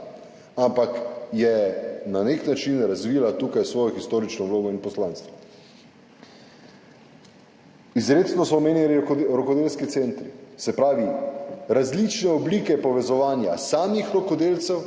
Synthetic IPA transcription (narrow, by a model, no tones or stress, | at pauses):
ampakjɛnaneknat͡ʃinɾazʋiːlat̪uːkajsʋɔːjɔxist̪oːɾit͡ʃnɔwloːɡɔinpɔslaːnst̪ʋa | izɾeːt̪snɔsɔmeːnjɛɾɔkɔd̪elskit̪sent̪ɾisɛpɾaːʋiɾazlit͡ʃnɛɔbliːkɛpɔʋɛzɔʋaːnjasaːmixɾɔkɔd̪eːlt̪sɛw